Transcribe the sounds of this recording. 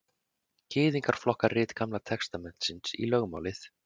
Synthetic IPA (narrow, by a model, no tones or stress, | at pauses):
cɪːðiŋkaɾ̥flɔhkaɾrɪːt̪kamlat̪ʰɛkst̪amɛn̥t̪sɪnsḭlœɣma̰ːwlɪθ